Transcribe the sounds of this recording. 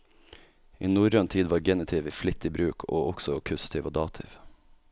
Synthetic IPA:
ḭːnuːɾœnt̪ʰiːd̪ʋɑːɾɡɛnɪt̪ʰɪʋiːflɪt̪ːiːbɾʉːkʰo̰ːʔɔɡ̥sɔkʰʉst̪ʰɪʋoːd̪ɑːt̪ʰɪ̰ʋ

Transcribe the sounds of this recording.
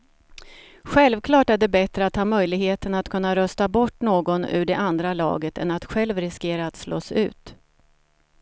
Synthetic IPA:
ɧɛlvkʰlɑːʈæɖɛbɛt̪ɾəat̪hɑːmœjlɪɡheːt̪ənat̪kʰɵnːaɾœst̪abɔʈːnoːɡɔnʉ̟ːɖɛʔand̪ɾalɑ̰ːɡət̪ʰɛ̰nat̪ɧɛlvɾɪskeːɾaːt̪slɔ̰sʉ̟̰ːt̪

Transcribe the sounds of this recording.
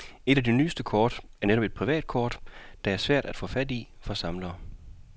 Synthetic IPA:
e̝ɾ̥æd̥eny̰ːsd̥əkʰɒːd̥æɐneɾ̥ɒ̽b̥e̝d̥̚pʰʁiʋɛ̰ːd̥̚kʰɒːd̥d̥ɑ̈æɐsʋæɐ̰d̥æd̥fɔ̰̽ːfæd̥ifɒ̽sɑ̈mlɐː

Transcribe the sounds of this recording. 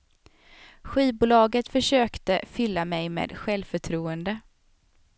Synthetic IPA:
ɧiːbuːlɑːɡət̪fœʂøːkt̪əfʏlːamɛjmḛːd̪ɧɛlvfœʈʰɾuːənd̪ə

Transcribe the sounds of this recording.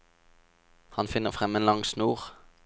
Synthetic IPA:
hɑnfɪnːəʁfʁɛmeːnlɑŋsnuːʁ

